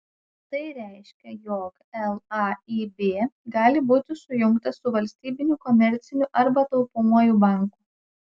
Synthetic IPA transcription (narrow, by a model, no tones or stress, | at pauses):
t̪ɐɪɾʲæˑɪʃʲkʲɛjɔːk | ɛlˠɑiːbʲeːɡɑːlʲɪbuːt̪ʲɪsʊjʊŋkt̪ɐsʊʋɐlʲsʲt̪ʲiːbʲɪnʲuːkɔmʲɛɾʲt̪sʲɪnʲuʔɐɾbɐt̪ɐʊpʊmuɔjubɑˑŋku